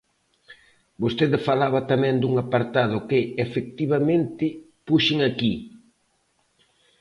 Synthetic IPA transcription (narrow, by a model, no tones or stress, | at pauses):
bost̪eðɪfalaβɐt̪amɛ̃ŋd̪uŋapaɾt̪að̞ʊkɪefek̚t̪iβamẽnt̪ɪ | puʃɪŋaki